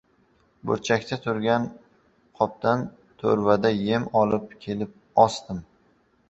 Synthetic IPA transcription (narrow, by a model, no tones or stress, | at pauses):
bʊ̰ɾt͡ʃʰakʲt̪ʰat̪ʰʊɾɡʲan | qʰɒp̚t̪an | t̪ʰo̰ɾvad̪aje̞mɒlˠɪp̚kʲʰe̞lɪp̚ | ɒst̪ɪm